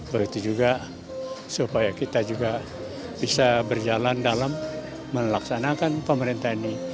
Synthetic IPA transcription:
bəɡt̪ud͡ʒuɡa | supajakit̪ad͡ʒuɡa | b̥isabərd͡ʒalandalamː | əlaksanakanpəməɾint̪aini

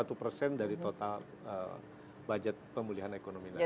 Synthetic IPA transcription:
at̪upərsɛndaɾit̪ot̪al | ə̰ | bad͡ʒat̪̚pəmuliɦanekonomila

